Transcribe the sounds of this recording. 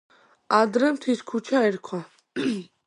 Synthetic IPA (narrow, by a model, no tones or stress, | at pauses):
ad̪ɾɛmt̪ʰiskʰut͡ʃʰaɛɾkʰwa